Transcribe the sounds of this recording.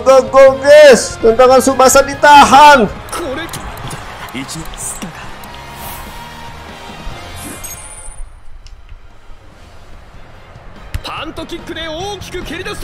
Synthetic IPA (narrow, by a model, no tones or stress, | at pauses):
ɡaɡoɡesd̪ant̪aŋansumasadit̪aɦankʰoɾe | it͡ʃ | p̪ant̪okʲikʰːɯd̪eokʲi̥kɯkeɾid̪as